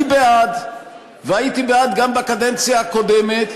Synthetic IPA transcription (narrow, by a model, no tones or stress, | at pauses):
ibead̪ | vehajit̪ibead̪ɡambakad̪ent͡sjahakod̪emet̪